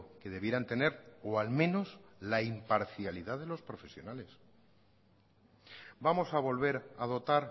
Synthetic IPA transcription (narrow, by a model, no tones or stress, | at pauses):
ke̞ðe̞β̞jeɾant̪e̞ne̞ɾoalmẽ̞no̞slaimpaɾθjaliðaðe̞lo̞spɾo̞fe̞sjo̞nale̞s | bamo̞saβ̞o̞lβ̞e̞ɾað̞o̞t̪aɾ